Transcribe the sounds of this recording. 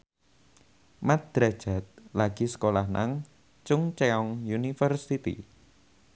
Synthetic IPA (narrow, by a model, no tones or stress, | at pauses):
mat̪̚d̪̥ɾḁd͡ʒ̥at̪̚laɡ̥isə̥kolahnʔa̰ŋ | t͡ʃʊŋt͡ʃeɔŋjunifərsit̪ḭ